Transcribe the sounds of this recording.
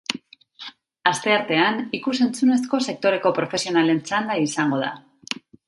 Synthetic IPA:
ast̪e̞aɾt̪e̞anikuse̞nt͡sune̞sko̞se̞k̚t̪o̞ɾe̞ko̞pɾo̞fe̞sio̞nale̞nt͡sand̪aisaŋɡo̞ð̞a̰

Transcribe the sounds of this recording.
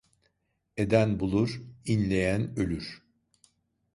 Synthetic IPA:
e̞d̪ænbulˠuɾinlʲe̞jænø̞lʲyɾ̥

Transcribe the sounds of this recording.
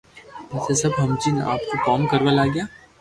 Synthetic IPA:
pɛːsesɐbɦɐmt͡ʃinʔa̰ːp̚kokɔːmkɐɾʋalaːɡjaː

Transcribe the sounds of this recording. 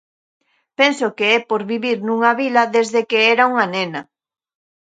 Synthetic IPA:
pensokeɛpoɾβiβiɾnũŋaβilɐðezðekeɛɾauŋanenɐ

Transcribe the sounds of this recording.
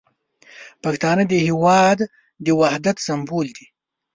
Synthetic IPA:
paxt̪ɑːnəd̪əhiwɑd̪ː | əwahd̪at̪sambuld̪i

